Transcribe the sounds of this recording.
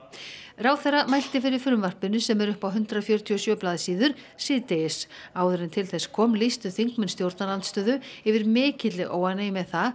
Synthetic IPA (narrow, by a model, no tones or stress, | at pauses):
raːwθɛrːamajl̥t̪ɪfɪɾɪɾ̥fʏɾmvar̥pɪnʏsɛmɛɾʏhpawɦʏnt̪ɾafjœːɾʏt̪ʰiɔsjœːplaːðɪsiːðʏɾ̥ | siːðt̪ɛsaːwðʏɾɪnt̪ʰɪlθɛskʰɔːmlist̪ʏθiŋkmʏnst̪jowɾt̪nalant̪st̪œːðʏɛvɪɾmɪːcɪt̪lɪʔoːwanaimɛðθa